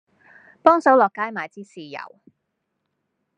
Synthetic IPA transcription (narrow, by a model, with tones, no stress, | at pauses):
pɔː˥ŋsɐ˨˥wlɔː˨kːaː˨˥jmaː˨˩jt͡siː˥siː˨˩jɐ̰˨˩w